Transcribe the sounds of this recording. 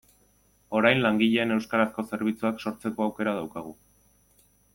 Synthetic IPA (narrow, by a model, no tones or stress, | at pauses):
o̞ɾajnlaŋɡiʎe̞ːne̞wskaɾasko̞se̞ɾβit͡suakso̞ɾt͡se̞ko̞awke̞ɾað̞awkaɣ̞u